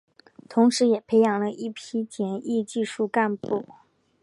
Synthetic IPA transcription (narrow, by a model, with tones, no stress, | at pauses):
t̪ʰʊ˧˥ŋʂɻ̩˧˥jɛ˨˩pʰe˧˥ɪjɑ˨˩ŋlə˧ʔi˥˩pʰi˥t͡ɕjɛ˧˥nʔi˥˧t͡ɕi˥˧ʂu˥˧ka˥˧npu˥˩